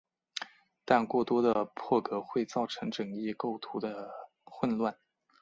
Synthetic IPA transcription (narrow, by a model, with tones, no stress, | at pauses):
t̪a˥˧nkwɔ˥˩t̪wɔ˥d̪ə˧pʰwɔ˥˩kɤ˧˥xwe˥˧ɪt͡sɑ˥˩ʊʈ͡ʂʰɤ˧˥ŋʈ͡ʂɤ˨˩ŋi˥˧ko˥˩ʊt̪ʰu˧˥d̪ə˧ | xwə˥˧nlwa˥˩n